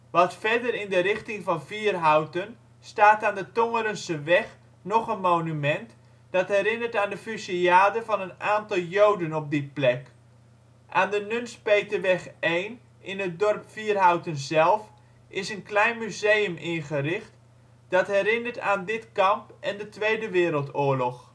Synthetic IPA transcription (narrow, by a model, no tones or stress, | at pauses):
ʋɑtfɛdəɾɪndəɾɪχtɪŋvɑnviːərɦawtən | staːtaːndətoŋəɾənsəʋɛχ | nɔχənmoːnymɛnt | d̥ɑtɦɛɾɪnərtaːndəfysiaːdəvɑnənaːntɑlˠjowdənɔp̚dɪt̚plɛk | ʔaːndənønspejtəʋɛχejn | ɪnət̚dɔrpfiːərɦawtənzɛlˠf | ʔɪsənklɛjnmyzejəmɪnχərɪxt | d̥ɑtɦɛɾɪnəɹta̰ːndɪtkɑmpʔɛndətʋejdəʋɪːɾəlˠtʊːəɹlɔx